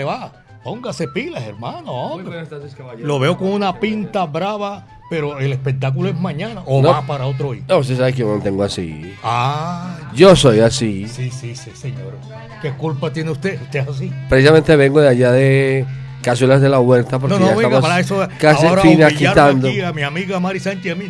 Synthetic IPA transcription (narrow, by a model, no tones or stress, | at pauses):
eβa | po̞ŋɡase̞pilaseɾmãnoo | lo̞βeoko̞ŋunapint̪aβɾaβa | pe̞ɾoelespe̞k̚t̪ak̬uloezmãɲãnaʔonoβapaɾaot̪ɾoinoβost̪es̬aβekeoment̪eŋɡoasḭa | d͡ʒosojasisisisiseɲoɾ | kekulpat̪jeneust̪eust̪eesas̬ipɾesisamẽnt̪eβe̞ŋɡoðeaʝaðekas̬elazðelaɣwe̞ɾt̪ap̬oɾknonnoaaβamaesokasaoɾainaʎkiaɾt̪and̪oiamiamiɣamaɾisant͡ʃiami